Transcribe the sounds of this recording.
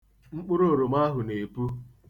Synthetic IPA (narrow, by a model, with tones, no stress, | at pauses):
ŋ͡m̩˦k͡pʊ˦ɾo˦o˨ɾo˨ma˦ɦʊ˨ne˨pu˦